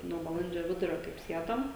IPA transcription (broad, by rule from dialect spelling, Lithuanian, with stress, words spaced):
ˈnuɔ bɐˈlˠɐnʲd͡ʒʲoː ˈʋʲɪdʊrʲoː kɐɪp ˈsʲiɛdoːm